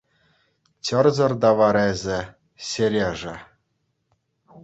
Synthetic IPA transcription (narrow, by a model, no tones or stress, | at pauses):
t͡ɕɤ̆rzɤ̆rd̪ɑʋɑɾezʲɘ̆ | ɕelʲeʐɘ̆